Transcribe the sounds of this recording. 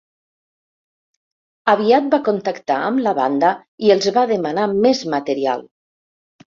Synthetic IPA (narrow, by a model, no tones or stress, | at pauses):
əβ̞iat̪̚bakont̪əkt̪aəmləβa̰nd̪ə | iəlˠzβaðəmanamezmət̪əɾia̰lˠ